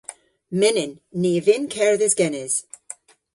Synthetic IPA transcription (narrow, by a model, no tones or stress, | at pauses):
mɪnɪnː | iːvɪnkʰɛɹðɪzɡɛnɪz̥